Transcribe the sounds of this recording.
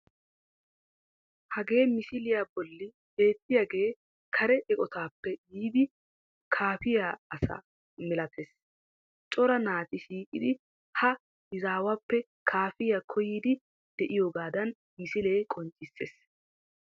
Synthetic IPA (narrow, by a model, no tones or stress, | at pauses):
hɐɡe̞ːmɪsɪlɪjaːbɔlːɪ | be̞ːt̪ːɪjaːɡe̞ː | kʰɐɾɛʔɛkʼɔt̪aːpːɛjiːd̪ɪ | kʰaːfɪjaːɐsɐ̰ | mɛlɐt̪ʰes | t͡ʃʼɔɾɐnaːt̪ɪʃiːkʼɪd̪ɪ | hɐ | ɪzaːwapːɛ | kʰaːfɪjakʰɔjiːd̪ɪ | d̪̥ɛʔɪjoːɡaːd̪ɐn | mɪsɪle̞ːkʼɔnt͡ʃʼːɪsːḛːs